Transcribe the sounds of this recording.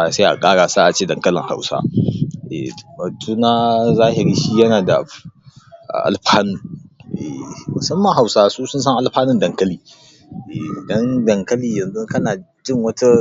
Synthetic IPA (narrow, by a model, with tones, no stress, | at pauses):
a˨sa˦ʔa̰˨kʼaː˦ɽaː˨sa˦ʔa˨t͡ʃeː˦˨dɐ˨ŋkɐ˦lɪ̰˨ŋha̰˨wsa̰˦ʔḛ˨bɐ˨tʰuː˦na˦zaː˦ɦɪ˨ɾiː˦ʃiː˦jɐ˦naː˨da̰˨ | ʔa̰˨ʔa̰˨lɸaː˦nʊ˦ŋʔḛ˨mʊ˨sɐ˦mːɐ˨ŋɦa˨wsaː˦suː˦sʊ˦ns̬ɐ˦ŋʔa˨lɸaː˦nɪ˦ndɐ˨ŋkɐ˦liː˨ | ʔe˨dɐ˦ndɐ˨ŋkɐ˦liː˨jɐ˨nzʊ˦ŋkɐ˦naː˨d͡ʒɪ˦˨ŋwɐ˦ta˦